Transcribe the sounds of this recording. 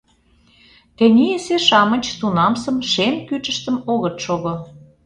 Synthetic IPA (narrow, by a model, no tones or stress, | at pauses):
t̪enʲieseʃɑmə̆t͡ɕt̪unɑmsə̆mʃemkyt͡ʃə̆ʃt̪ə̆moɣə̆t̪ʃoɣo